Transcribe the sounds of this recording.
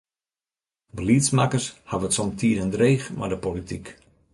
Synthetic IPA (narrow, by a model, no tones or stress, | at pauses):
bəliəsmakərshaʋətsɔmtʰiədəndreːxma̰dəpolitik